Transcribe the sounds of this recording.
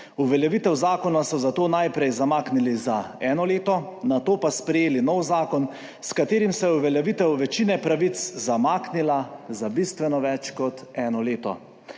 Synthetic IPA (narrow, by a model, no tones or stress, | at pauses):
uʋɛljɛʋit̪ɛwzaːkɔnasɔzat̪oːnajpɾɛjzamaːknilizaɛːnɔleːt̪ɔnat̪oːpaspɾɛjeːlinɔwzaːkɔn | skat̪eːɾimsɛjɛuʋɛljɛʋit̪ɛwʋɛt͡ʃiːnɛpɾaʋit̪szamaːknilazabist̪ʋɛnɔʋɛt͡ʃkɔt̪ɛːnɔleːt̪ɔ̰